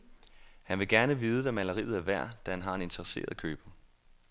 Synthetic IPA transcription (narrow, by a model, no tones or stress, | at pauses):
hænʋe̝ɡ̥æɐnəʋiːð̞ˠəʋæmælɐʁḭːð̩ˠæɐʋæɐ̰d̥æhænɦɑ̈e̝ne̝nt͡sʰɐʁəse̝̰ːɐðˠkʰøːb̥ɐ